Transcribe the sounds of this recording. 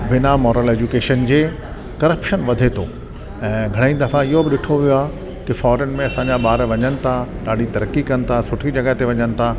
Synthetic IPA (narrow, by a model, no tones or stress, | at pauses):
bɪnamɔːɾəleːd͡ʑukeːʃənd͡ʑeː | kɐɾəpʃənʋɐd̪ʱet̪ʰoː | ɛ̃ːɡʱɐɽ̃aĩd̪ɐfaɪɦobɪɗɪʈʰoʋijoaː | kɪfɔːɾənmẽɐsãːɲd͡ʑaɓaːɾʋɐɲənɪ̆t̪ʰaɗaːɖ̤ʱit̪ɐɾəkːikɐnɪ̆t̪ʰasʊʈʰid͡ʑɐɡəɦt̪eʋɐɲənɪ̆t̪ʰa